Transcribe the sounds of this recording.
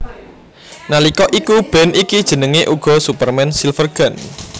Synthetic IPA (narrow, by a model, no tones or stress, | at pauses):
nalikɔʔikub̥ɛ̤nikid̥ʒ̥ə̤nəŋeʔuɡ̥ɔ̤supərmɛnsilfərɡ̥a̤n